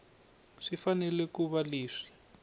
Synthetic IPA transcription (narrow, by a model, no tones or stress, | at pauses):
ʂifanɛlɛkuβaliːʂi̥